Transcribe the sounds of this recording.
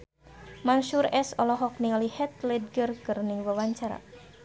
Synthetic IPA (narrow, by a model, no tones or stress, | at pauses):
manʃuɾɛsɔlɔɦɔk̚nialihɛt̪̚lɛd̚ɡərkərniwəwaɲt͡ʃaɾa̰